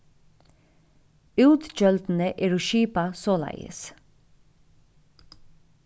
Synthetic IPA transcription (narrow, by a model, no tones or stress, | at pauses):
ʉːt̪d͡ʒœlt̪n̩əʔeːɹoːʃiːpɑsoːlɑ̰ɪə̰s